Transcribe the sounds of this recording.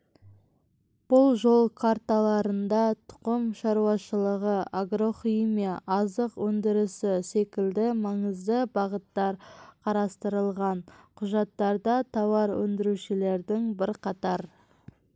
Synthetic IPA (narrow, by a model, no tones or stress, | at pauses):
b̥ʊlˠʒo̞lˠkʰaɾt̪alˠɑɾənd̪ɑt̪ʰʊ̥qəmʃɑɾuwɑʃəlˠəʁəaɡɾo̞χimiɑʔɑzəqwɵnd̪ɪɾɪsɪse̞kʲɪld̪ɪmɑɴəzd̪əbɑʁət̪ːɑɾqʰɑɾɑst̪əɾəlˠʁɑnqʰʊʒɑt̪ːɑɾd̪ɑt̪ʰɑwɑɾwɵ̰nd̪ɪɾuʃɪle̞ɾd̪ɪŋbɪɾqʰɑt̪ɑɾ